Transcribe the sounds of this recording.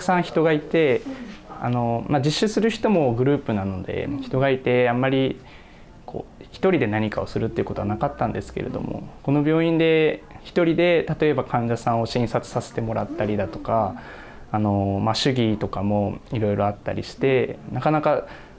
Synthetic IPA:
t̪ḁkɯ̟̥sãɰ̃çi̥t̪o̞ɡait̪e̞ | a̰no̞mad͡ʑiɕːɨsɨɾɯ̟çi̥t̪o̞mo̞ɡɯ̟ɾɯ̟ːpɯ̟nano̞d̪e̞̰çi̥t̪o̞ɡait̪e̞amːaɾʲi | kʰo̞̰ːçi̥t̪o̞ɾʲid̪e̞naɲ̟ikao̞sɨɾɯ̟t̪ːeiɯ̟ko̞t̪o̞anakat̪ːãnd̪esɨ̥ke̞ɾe̞̰d̪o̞̰mo̞̰ko̞no̞bʲjo̞ːĩnd̪e̞çi̥t̪o̞ɾʲid̪e̞t̪at̪o̞e̞bakʰãɲ̟d͡ʑasãɰ̃o̞ɕĩɰ̃sat͡sɨ̥sase̞̥t̪emo̞ɾat̪ːaɾʲid̪at̪o̞kaː | no̞maɕɨɡʲit̪o̞kamo̞iɾo̞iɾo̞at̪ːa̰ɾʲiɕi̥t̪e̞nakanaka

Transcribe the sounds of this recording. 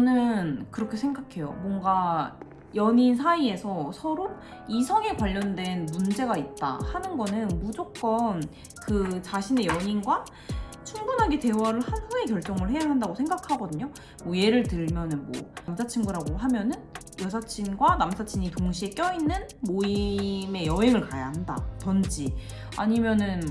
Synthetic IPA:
t͡ɕʌnɯnkɯɾʌkʰe̞sʰe̞ŋɡakʰe̞jo̰mwʌŋɡa | jʌɲinsʰaie̞sʰʌsʰʌɾo | isʰʌŋe̞kwaʎːʌndwe̞nmund͡ʑe̞ɡait̚t͈a̰hanɯnɡʌnɯnmud͡ʑok̚k͈ʌn | kɯt͡ɕaɕʰine̞jʌɲinɡwa | t͡ɕʰuŋbunɦaɡete̞waɾɯɭhanɸue̞kjʌɭt͡ɕ͈ʌŋɯɭhe̞jaɦandaɡosʰe̞ŋɡakʰaɡʌdɯɲo | ue̞ɾɯɭtɯɭmjʌnɯnmwʌ̰msʰat͡ɕʰinɡuɾaɡoɦamjʌnɯn | jʌsʰat͡ɕʰinɡwanamsʰat͡ɕʰiɲitoŋɕʰie̞k͈jʌinːɯnmoime̞jʌɦe̞ŋɯɭkajaɦanda̰tʌnd͡ʑi | a̰ɲimjʌnɯn

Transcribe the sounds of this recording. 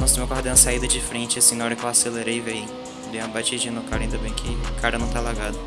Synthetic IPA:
nõsomewkaɾd̪ẽsaid̪ɐd͡ʒɪfɾẽnt͡ʃɪasĩnɐɔɾɐkɪewaseleɾejvej | b̪ẽj̃ɐ̃bat͡ʃid͡ʒĩɐnʊkaɾɐ̃ĩd̪ɐbẽj̃kʰɪkʰaɾɐnɐ̃w̃t̪alaɡad̪ʊ

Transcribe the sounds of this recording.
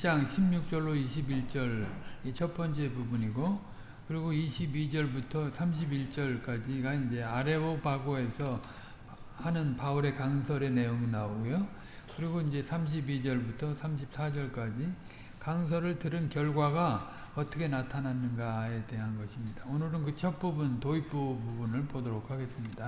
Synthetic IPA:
t͡ɕaŋɕʰimɲuk̚t͡ɕ͈ʌɭːoiɕʰibiɭt͡ɕ͈ʌɭit͡ɕʰʌp͈ʌnt͡ɕ͈eebubuɲiɡo | kɯɾiɡoiɕʰibid͡ʑʌɭbutʰʌsʰamɕʰibiɭt͡ɕ͈ʌɭk͈ad͡ʑiɡaind͡ʑe̞aɾe̞bopaɡoe̞sʰʌ | hanɯnpauɾe̞kaŋsʰʌɾe̞ne̞joŋinaoɡojo | kɯɾiɡoind͡ʑe̞sʰamɕ̬ʰibid͡ʑʌɭbutʰʌsʰamɕʰip̚s͈ʰad͡ʑʌɭk͈ad͡ʑi | kaŋs̬ʰʌɾɯɭtɯɾɯnkjʌɭɡwaɡa | ʌt͈ʰʌkʰe̞natʰananːɯnɡae̞de̞ɦanɡʌɕʰimɲidaonɯɾɯnkɯt͡ɕʰʌk̚p͈ubuntoip͈ububunɯɭpodoɾokʰaɡe̞s͈ɯmɲida

